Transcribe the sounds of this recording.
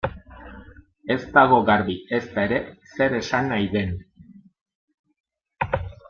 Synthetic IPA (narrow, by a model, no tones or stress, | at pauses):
e̞zt̪aɣo̞ɣaɾβie̞st̪ae̞ɾe̞se̞ɾe̞sanajðe̞n